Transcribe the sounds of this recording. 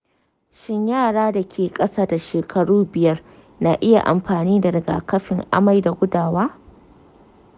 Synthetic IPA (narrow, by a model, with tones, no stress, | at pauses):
ʃɪ˦ɲjaː˦˨ɽaː˦da˨kʲʰeː˨kʼɐ˦saː˦da˨ʃeː˨kʰɐ˨ɽuː˦bɪ˨jɐ˦r | na˨ʔɪ˦ja̰˨ʔa̰˨mɸaː˨niː˦da˨dɐ˨ɡa̰ː˨kɐ˦ɸɪ˨ŋʔa̰˦ma˨jda˨ɡʷʊ˦daː˨waː˦